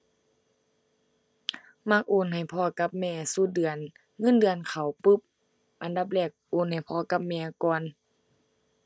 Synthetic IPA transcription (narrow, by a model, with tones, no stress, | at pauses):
ma˧˥k̚ʔoː˧˩˨nɦa˨˩jpʰɔː˧˩ka˧p̚mɛː˧˨su˧˨dɯ˨ən | ŋɤ˧˥˨ndɯ˨˧ənkʰa˨˩wpɯ˧˦p̚ | ʔa˨nda˧˦p̚lɛː˧˩k̚ʔoː˧˩˨nha˨˩jpʰɔː˧ka˧˦p̚mɛː˧kɔː˧˨n